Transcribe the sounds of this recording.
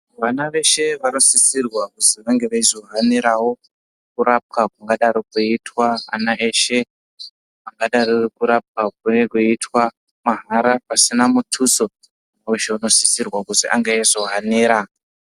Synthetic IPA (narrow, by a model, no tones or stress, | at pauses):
ʋanaʋe̞ʃe̞ʋano̞sisirwakuziʋaŋɡeʋaizo̞ɦaneɾawo̞ | kuɾap̚kakuŋɡaɗaɾokuitwaa̰naʔeʃe̞ | aŋɡaɗarokuɾap̚kak̚une̞kuitwa | maɦaɾapasinamutʰuso̞ | aeʃeuno̞si̥sirwakuziʔa̰ŋɡaezo̞ɦaneːɾa